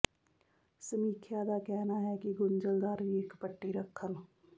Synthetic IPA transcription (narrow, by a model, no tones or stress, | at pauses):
səmiːkʰjaːd̪aːkɛːnaːɦɛːkɪɡʊnd͡ʒəld̪aːɾʋiːɪkpəʈːiːɾəkʰːən